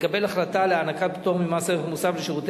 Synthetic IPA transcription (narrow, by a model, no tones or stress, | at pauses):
kabe̞laχlat̪aleanakat̚pi̥t̪oʁmimaseʁemusavleʃiʁut̪